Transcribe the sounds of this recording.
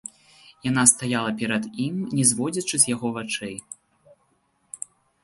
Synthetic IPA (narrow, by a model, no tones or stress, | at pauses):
jan̪ast̪ajalˠɐpʲɛɾɐd̪imnʲɛzvɔd͡zʲɐt͡ʂɨzʲjaɣɔvat͡ʂɛj